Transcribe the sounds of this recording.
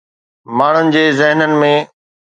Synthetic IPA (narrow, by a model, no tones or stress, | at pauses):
maːɳ̤ʊnɪ̆d͡ʑeːzɪɦnənɪ̆mẽ